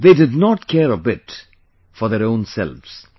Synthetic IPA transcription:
ðeːdɪdnɔtkʰɛɾəbɪt | fɔɾðɛɾõʊ̃nsɛ̰lvz̥

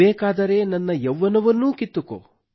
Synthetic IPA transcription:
ɛːkaːd̪ɐɾe̞nɐnːɐjɛʋːɐnɐʋɐnːuːkit̪ːuko̰

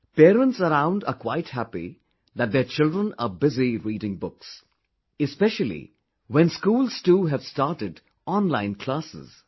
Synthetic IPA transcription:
peːɾə̃ntsəɾãʊ̃ndəkwaɪthæpḭ | ðæt̚d̪et͡ʃɪldɹə̃nə̰bɪziɾiːɾɪ̃ŋbʊks | ɨspɛʃəlḭ | wɛ̃nskuːlˠz̥tuːɦæv̥staːʈɪd | ɔ̃nlãɪ̃nkʰl̥asɪ̰z̥

